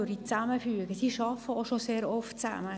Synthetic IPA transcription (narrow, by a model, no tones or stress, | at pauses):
øɾdit͡sæməfyːɡəsiʃɑfəoʃoseːɾɔftt͡sæ̰mə